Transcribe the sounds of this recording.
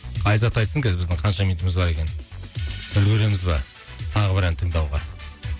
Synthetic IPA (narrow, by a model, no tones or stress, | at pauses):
qʰɑjzɑt̪ɑjt̪səŋkʲʰezɪbɪzd̪ɪɴqʰɑnʃɑmij̪t̪ɪmɪzbɑɾe̞kʲe̞n | bɪlwɵɾe̞mɪzbɑ̰ | t̪ʰɑʁəbɪɾænt̪ʰəɴd̪ɑwʁɑ̰